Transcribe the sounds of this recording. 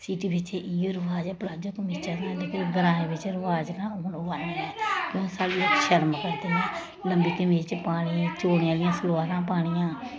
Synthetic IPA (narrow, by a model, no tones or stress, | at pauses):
siːʈiːʋɪt͡ʃɪoːɾəʋaːd͡ʒɛːplaːd͡ʒoːkmɪt͡ʃəɾnãːd̪eːkɪɾɡəɾãːẽːʋɪt͡ʃɾəʋaːd͡ʒɾãːʊnːʋanːɛːkõːsaːɽiːəkʃəɾmkəɾd̪eːɛː | ləmbiːkəmeːt͡ʃpaːɽ̃iːt͡ʃoːɽejãːlɪjãːsəloːaːɾãːpaːɽ̃ɪjãː